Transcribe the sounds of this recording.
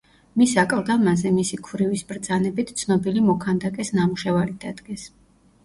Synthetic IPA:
misakʼalˠd̪amazɛmisikʰvɾivisb̥ɾd̪zanɛbit̪ʰt̪sʰnɔbilimɔkʰand̪akʼɛsnamuʃɛvalid̪̥ad̪ɡɛs

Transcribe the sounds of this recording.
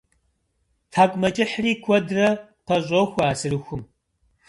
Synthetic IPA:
tʰaːkʷʼmɐt͡ʃʼɪħriːkʷʰɔdrɐqɐɕʷʼɔxʷaːsɨrɨxʷʊm

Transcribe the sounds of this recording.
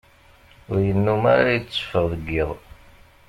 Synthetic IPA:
ʊɾjənːumaɾajt͡sːə̥fəðˤəɡːiðˤ

